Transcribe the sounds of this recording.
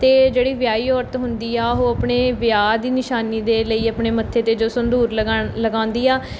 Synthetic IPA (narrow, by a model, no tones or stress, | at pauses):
t̪eːd͡ʒeːɽiːʋɪjaːiːɔːɾt̪ɦʊnd̪iːaːoːəpɳeːʋɪjaːd̪iːnɪʃaːniːd̪eːləiːəpɳeːmət̪ʰːeːt̪eːd͡ʒoːsʊnd̪uːɾlləɡãːnd̪iːaː